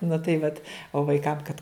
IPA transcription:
nʊ tɐɪ ˈʋɐt oː ʋɐɪˈkɐm kɐt

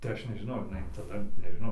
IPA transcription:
tɐɪ ˈɐʃ nʲɛʒʲɪˈnɐʊ ɐr jɪˈnɐɪ tɐˈdɐ nʲɛʒʲɪˈnɐʊ

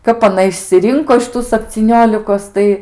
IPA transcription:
ˈkɐp ɐˈnɐ ɪʃʲsʲɪˈrʲɪŋkoː ɪʃ ˈtuː sɐpʲt͡sʲiːˈnʲoːlʲɪkoːs ˈtɐɪ

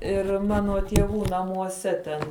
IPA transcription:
ɪr ˈmɑːnoː tʲiɛˈʋuː nɐmuɔˈsʲɛ tʲɛn

